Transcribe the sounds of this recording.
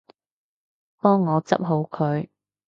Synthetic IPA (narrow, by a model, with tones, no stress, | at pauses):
pɔː˥ŋːɔː˨˧t͡sɐ̰˥p̚ɦo˨˧wkʰɵ˨˧ɥ